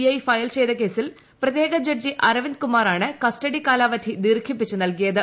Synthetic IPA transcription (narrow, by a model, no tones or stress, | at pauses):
iɐjfɐjɐlt͡ɕejd̪ɐke̞ːsil | prɐt̪jeːɡɐd͡ʑɐrd͡ʑiʔɐrɐʋinkumaːɾaːɳɨkɐsʈɐɽikaːlaːʋɐd̪ʰʱid̪iːrkʰip̬ːit͡ɕːunɐlkijɐðɨ